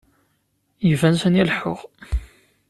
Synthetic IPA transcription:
jəvænsənilħʊʁ

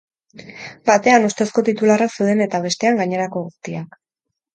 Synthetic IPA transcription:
bat̪e̞anust̪e̞sko̞t̪it̪ularaksewðe̞ne̞t̪aβ̞e̞st̪e̞aŋɡaɲe̞ɾako̞ɣust̪iak

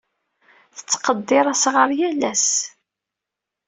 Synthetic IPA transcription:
θə̥t͡sːqəd̪ːɪɾˤæsʁəɾˤjælæs

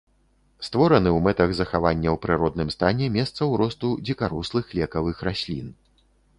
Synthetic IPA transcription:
st̪vɔɾɐnɨwmɛt̪ɐɣzɐxavanʲːɐwpɾɨɾɔd̪nɨmst̪anʲɛmʲɛst̪sɐwɾɔst̪ud͡zʲikaɾɔslˠɨxlʲɛkɐvɨxɾasʲlʲḭn

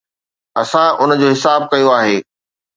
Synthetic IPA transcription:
ɐsãʊnəd͡ʑoːɦɪsaːb̚kɐjoaːɦeː

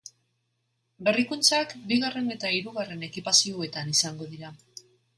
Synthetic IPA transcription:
be̞rikunt͡sakbiɣare̞ne̞t̪aiɾuɣare̞ne̞kipasioe̞t̪anisaŋɡo̞ðiɾa

